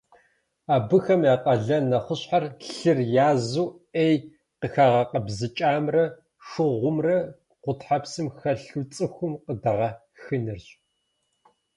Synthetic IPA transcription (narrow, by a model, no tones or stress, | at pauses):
aːbɨxɐmjaːqʼɐɮɐnɐχʷəɕħarɬɨrjaːzuː | eːj | qəxaːʁɐqɐbzɨt͡ʃʼaːmrɐ | ʂɨʁʷʊmrɐ | qʷʊtħapsɨmxɐɬut͡sʼɨxʷʊmqədɐʁɐ | xɨnɨrɕʼ